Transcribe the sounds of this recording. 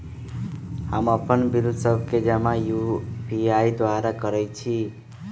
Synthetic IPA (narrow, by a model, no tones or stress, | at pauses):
hamʌpʌnbiɾud̪ʱsʌbʱked͡zamajubiajd̪waɾakʌɾʌjt͡sʰi